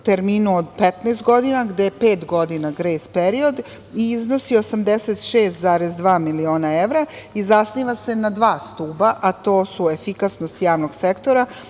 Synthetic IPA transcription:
t̪eɾmiːnuod̪pet̪najst̪ɡo̞d̪inaɡd̪ejepeːt̪ɡo̞d̪inaɡɾeːspeɾio̞d̪ | iizno̞sio̞samd̪eset̪ʃeːst̪zaːɾezd̪ʋaːmilio̞ːnaeʋɾaizasniːʋase̞nad̪ʋaːst̪uːbaʔat̪o̞ːsuefikasnost̪jaːʋno̞ɡ̥sekt̪o̞ɾa

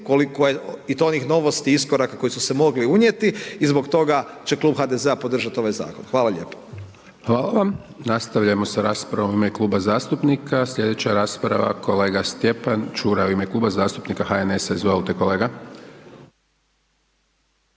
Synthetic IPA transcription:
kolikojeit̪ooniːxno̞ʋo̞st̪iiskoɾakako̞jisuse̞mo̞ɡliuɲje̞t̪iizbo̞kt̪o̞ɡat͡ɕe̞kluːbxad̪ezeapo̞d̪r̩ʒat̪io̞ʋajza̰ːkonxʋaːlaʎe̞̰ːpo̥ | hʋaːlaʋam | nast̪aʋʎaemo̞saɾaːspɾaʋomuimeklˠuːbazaːst̪upnikʰasʎʲe̞d̪et͡ɕaɾaːspɾa̰ʋa̰kʰo̞leːɡast̪je̞pant͡ʃuːɾauimekluːbazaːst̪upnikaxaenesezlt̪ekole̞ːɡa

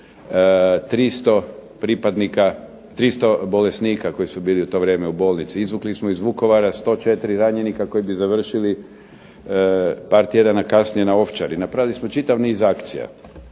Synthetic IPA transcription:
t̪ɾist̪opɾipad̪nika | t̪ɾist̪o̞bo̞lesniːkako̞jisubiːliut̪o̞ʋɾjeːmeubo̞ːlˠnit̪siizʋuklismoizʋuko̞ʋaɾast̪o̞t͡ʃe̞t̪iɾiɾaɲe̞nikako̞jibizaʋr̩ʃili | paːɾt̪je̞d̪anakasnijenao̞ft͡ʃa̰ɾinapɾaʋilismo̞t͡ʃit̪aʋniːzakt̪sḭja̰

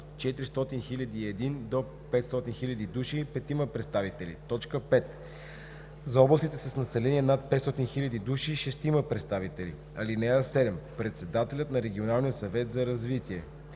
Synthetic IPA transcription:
t͡ʃɛt̪ɾist̪ɔt̪inxilʲɐd̪iːɛd̪ind̪o | pɛt̪st̪ɔt̪inxilʲɐd̪id̪uʃipɛt̪iməpɾɛt̪st̪avit̪ɛlḭt̪ɔt͡ʃkəpɛt̪ | zɐɔblˠəst̪it̪ɛsəsnɐsɛlɛniɛnat̪̚pɛt̪st̪ɔt̪inxilʲɐd̪id̪uʃiʃɛst̪iməpɾɛt̪st̪avit̪ɛlḭ | ɐlinɛəsɛd̪ɛmpɾɛt̪sɛd̪at̪ɛlʲət̪nɐɾɛɡ̟ʲionalˠnijəsɐvɛt̪zɐɾɐzvit̪iɛ

